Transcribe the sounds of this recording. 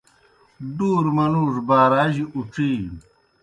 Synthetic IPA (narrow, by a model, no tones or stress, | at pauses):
ɖuːɾmɐnuːʂbaːɾaːʑiʔuʈ͡ʂiː